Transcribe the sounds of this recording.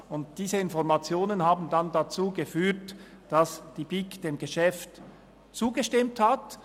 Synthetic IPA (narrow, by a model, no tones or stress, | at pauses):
ʊnt̚d̥iːzəɪnfɔʁmat͡sjoːnənhaːbn̩dandat͡suːɡəfyːɐt | d̥ɑsd̥ibikd̥eːmɡəʃɛft | t͡suːɡəʃtɪmthat